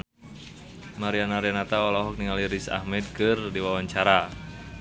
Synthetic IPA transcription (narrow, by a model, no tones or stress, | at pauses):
maɾianaɾianat̪awalaɦɔk̚niŋaliɾisa̰hmɛd̪̚kɨrdiwawaɲt͡ʃaɾa